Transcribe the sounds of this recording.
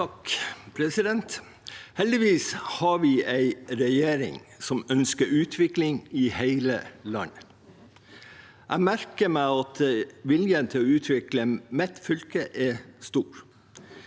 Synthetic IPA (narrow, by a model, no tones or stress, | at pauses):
t̪ɑkpʰɾɛsɪd̪ɛnt̪ | hɛld̪ɪʋiːshɑɾʋiːʔæɪɾɛjeːɾɪ̰ŋsɔmœnskəɾʉːt̪ʰʋɪklɪŋɪheɪlə̰lɑ̰n | ʔæ̰ɪmæɾkəmæɑt̪ʋɪljənt̪ʰɪlɔʉːt̪ʰʋɪkləmɛt̪fʏlkəʔɛst̪uːɾ